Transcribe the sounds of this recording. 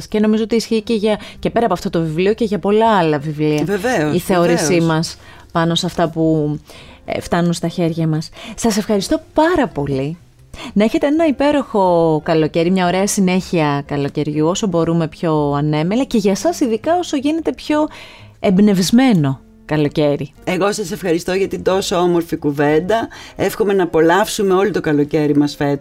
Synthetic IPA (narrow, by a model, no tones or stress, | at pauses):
sceno̞mizo̞ot̪iːsçice̞ʝɐce̞pe̞ɾɐːpoɐft̪ot̪o̞vivlio̞ce̞ʝɐpo̞lɐɐlɐvivliɐeveoiθeo̞ɾisimɐs | pɐno̞sɐft̪ɐpṵ | ft̪ɐnunst̪ɐçe̞ɾʝɐmɐssɐse̞fxɐɾist̪o̞pɐɾɐpo̞li | nɐe̞çe̞t̪e̞enɐipe̞ɾo̞xo̞kɐlo̞ce̞ɾimɲɐo̞ɾe̞ɐsine̞çiɐkɐlo̞ce̞ɾʝuo̞so̞bo̞ɾume̞pço̞ɐne̞melɐce̞ʝɐsɐsiðikɐo̞so̞ʝine̞t̪e̞pço̞embne̞vizme̞no̞ | kɐlo̞ce̞ɾi | e̞ɣo̞sɐse̞fxɐɾist̪o̞ʝɐt̪id̪o̞so̞omo̞ɾfikuve̞nd̪ɐe̞fxo̞me̞nɐːpo̞lɐfsumeo̞lit̪o̞kɐlo̞ce̞ɾimɐsfet̪